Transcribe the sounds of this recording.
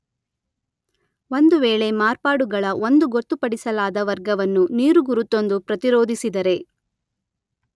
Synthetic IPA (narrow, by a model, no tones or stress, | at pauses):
o̞nd̪uʋeːɭe̞maːɾpaːɽuɡɐɭɐʔo̞nd̪uɡot̪ːupɐɽisɐlaːd̪ɐʋɐɾɡɐʋɐnːuniːɾuɡuɾut̪ːo̞nd̪upɾɐt̪iɾoːd̪ʱisid̪ɐɾe̞